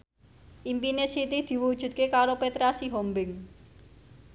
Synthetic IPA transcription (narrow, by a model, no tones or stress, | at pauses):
ʔimpinesit̪id̪̥i̤wudʒ̥ṳt̪̚kekaɾopet̪ɾasiɦombɪŋ